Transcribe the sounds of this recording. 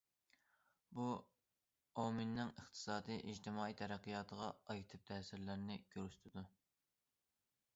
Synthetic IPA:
bu | ominːɪŋəχt̪ʰɨ̥sɑːd̪ijʔid͡ʒt̪ʰɪmɑːijt̪ʰɛɾæqːijɑːt̪ʰəʁɑɑjt̪ʰɨp̚t̪ʰɛːsɪɾlɪɾnɪɡ̥ʲøɾyst̪ʰɪd̪u

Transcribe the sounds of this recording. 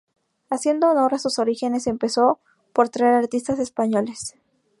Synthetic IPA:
asje̞nd̪o̞ːno̞ɾasuso̞ɾixe̞ne̞se̞mpe̞so̞ | po̞ɾt̪ɾaeɾaɾt̪ist̪ase̞spaɲo̞le̞s

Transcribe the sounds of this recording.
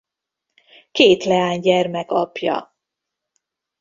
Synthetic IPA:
keːt̪lɛaːɲɟɛrmɛkɒpjɒ̰

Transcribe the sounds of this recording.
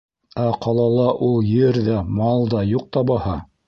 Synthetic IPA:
æqʰɑlˠɑlˠɑʔulˠjɘɾðæmɑlˠd̪ɑjuq̚t̪ɑbɑhɑ

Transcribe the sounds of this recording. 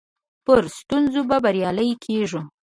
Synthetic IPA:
pəɾst̪unzobabaɾjɑləjkʰeʐu

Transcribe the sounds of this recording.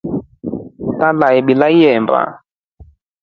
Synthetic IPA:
talaɛɓilaijɛmba̰

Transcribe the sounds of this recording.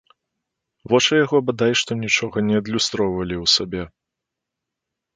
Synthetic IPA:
vɔt͡ʂɨjaɣɔbad̪ajʂt̪ɔnʲit͡ʂɔɣɐnʲɛɐd̪lʲust̪ɾɔwvɐlʲiwsabʲɛ

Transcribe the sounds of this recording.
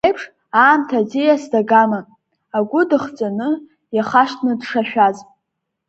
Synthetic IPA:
ejpʰʂ | aːmtʰazijasdaɡama | aɡʷʊdɨχt͡sʼanɨ | jaχaʃtʰnɨdʂaʃᶣaz

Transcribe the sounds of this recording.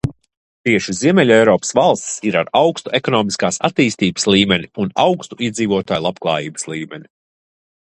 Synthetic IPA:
t̪iɛʃiziɛmʲɛlʲɛjɾɔːpsvalˠst̪siɾaɾawkst̪uʔekɔnɔːmiskaːsa̰t̪iːst̪iːbə̥slˠiːmɛnʲiunawkst̪uiɛziːvuɔt̪aːjlˠapklˠa̰ːjiːbə̥slˠiːmʲɛnʲi

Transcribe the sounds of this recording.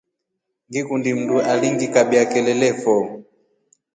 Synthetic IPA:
ŋɡikundim̩ndualiŋɡikabjakɛlɛlɛfɔ

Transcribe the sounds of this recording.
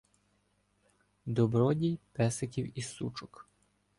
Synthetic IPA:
d̪ɔbɾɔdʲijpɛsekʲiwisṵt͡ʃʊk

